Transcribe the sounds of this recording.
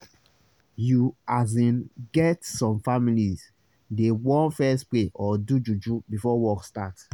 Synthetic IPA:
juazĩnɡɛtsɔ̃mfamiliz | dewɔ̃nfɛspleʔɔdud͡ʒud͡ʒubifɔwɔkstat

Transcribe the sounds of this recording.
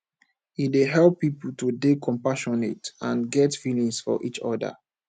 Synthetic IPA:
itdeɦɛlpːipl̩tudekʰɔ̃mpaʃɔnetãnɡɛtfilĩŋsfɔ̰ʔit͡ʃɔ̰də̰

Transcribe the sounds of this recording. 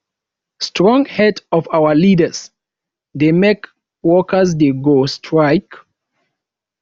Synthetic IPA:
stʰɹɔ̃ŋhɛdɔvawəlidəs | demek | wɔkəzdeɡostʰɹaɪk

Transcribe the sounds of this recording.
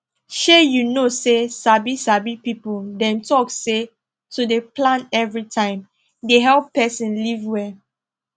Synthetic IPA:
ʃejunosesabisabipipuldɛ̃ntɔkse | tudeplãnɛvɹitʰãɪ̃m | deɦɛlpːɛsĩnlivwɛ

